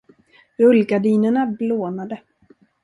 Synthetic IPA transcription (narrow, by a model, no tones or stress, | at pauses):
ɵlɡaɖiːnəɳabloːnad̪ə